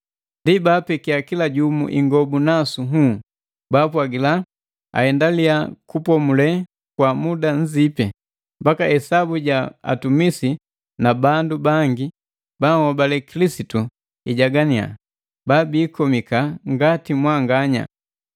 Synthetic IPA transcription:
ndibaːpɛkiakilaɟumṵʔiŋɡɔbunasuɦu | baːp̬waɡila | a̰hɛndaliakupɔmulɛ | kwamudaɲ̩d͡ʒipɛ | mbakahɛsabuɟaa̰tumisi | nabandubaŋɡi | bahɔbalɛkilisitu | iɟaɡania̰ | babiːkɔmikaŋɡatimwaŋɡaɲa̰

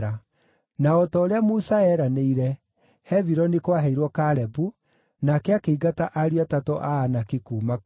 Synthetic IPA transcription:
ɾa | naɔtɔːɾeamusaɛːɾaneiɾɛ | hɛviɾɔnekwaɦɛiɾwɔkaɾɛbu | nakeakeiɡataʔaɾiatatɔʔaanakekuːma

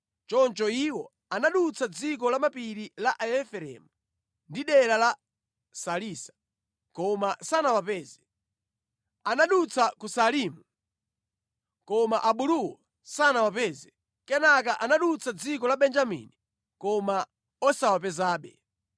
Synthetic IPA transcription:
t͡ʃɔnt͡ʃɔiwɔ | anaɗut͡sʰad͡zik̬ɔlamapiɾilaʔaɛfɛɾɛ̰mu | ndiɗɛɾala | saliːsḁ | kɔmasanawapɛːzɛ | anaɗut͡sʰakusaliːmu | kɔmaʔaɓuɾuwɔ | sanawapɛːzɛ | kɛnak̬aʔanaɗut͡sʰad͡zikɔlaɓɛnd͡ʒamḭni | kɔma | ɔsawapɛzaːɓɛ̰

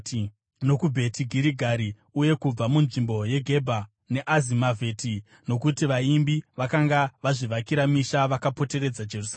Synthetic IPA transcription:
no̞kubʱe̞tʰiɡʱiɾiɡʱaɾi | uje̞kub͡vamunʐimbo̞je̞ɡʱe̞bʱa | ne̞ʔazimavʱe̞ːti | no̞kutiʋaimbiʋakaŋɡaʋaʐiʋakiɾamiʃaʋakapo̞te̞ɾe̞d͡zad͡ʒe̞rus

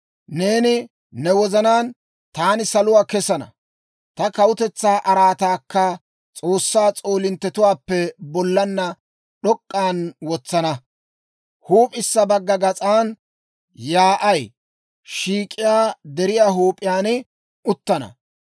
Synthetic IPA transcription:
ne̞ːnɪ | nɛwɔzɐnaːn | t̪aːnɪsɐlʊwaːkɛsɐnɐ̰ | t̪ɐkɐwʊt̪ɛt͡sːaːʔɐɾaːt̪aːkːɐ | t͡sʼoːsːaːt͡sʼoːlɪnt̪ːɛt̪ʊwaːpːɛbɔlːɐnːɐ | ɗɔkʼːaːnwɔt͡sːɐnɐ | huːpʼɪsːɐbɐɡːɐɡɐt͡sʼaːn | jaːʔɐj | ʃiːkʼɪjaːd̪ɛɾɪjaːɦuːpʼɪjaːnɪ | ʊt̪ːɐnɐ̰

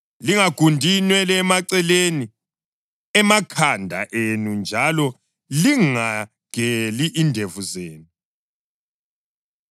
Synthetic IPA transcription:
liŋaɡ̥ʱundʱinwɛlɛːmaǀɛleni | ɛmakʰandʱa̰ʔenund͡ʒʱalɔ | liŋa | ɡ̥ʱeliʔindʱevuzeːnu

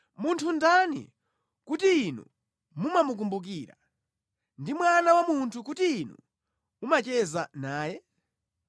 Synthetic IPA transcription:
muntʰundanḭ | kutiːnṵ | mumamuk̬umbuk̬iːɾa̰ | ndimwanawamuntʰuk̬utiːnṵ | umat͡ʃɛzanaːjɛ

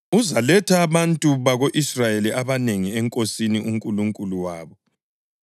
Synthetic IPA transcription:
uzalɛtʰaːβantʼuβaɣoʔisrajeliʔaβaneŋiɛŋkʼosiniʔuŋkʼuluŋkʼuluwaːβɔ

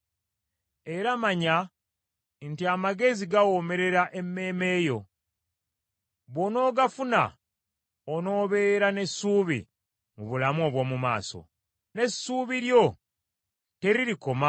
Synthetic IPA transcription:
e̞ɾamaɲa | ntiamaɡe̞ziɡawome̞ɾe̞ɾaʔe̞mːe̞ːme̞ːjo̞ | βo̞no̞ːɡafuna̰ | ono̞ːβe̞ːɾane̞sːuːβḭ | muβulamuo̞βwo̞ːmuma̰ːso̞̰ | ne̞suːβiɾjo̞ | te̞ɾiɾiko̞ma

